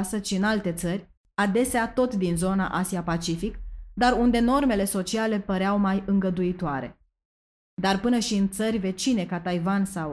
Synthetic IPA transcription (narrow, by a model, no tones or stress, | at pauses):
səʃiɨnalt̪e̞t̪sərʲ | ad̪e̞seat̪o̞t̪d̪inzo̞na̰ʔasiapat͡ʃifikd̪arund̪e̞no̞rme̞le̞so̞t͡ʃiale̞pəɾeawmajɨŋɡəd̪uit̪oaɾe̞̰ | d̪arpɨnəʃiɨnt̪sərʲve̞t͡ʃine̞kat̪ajvansaw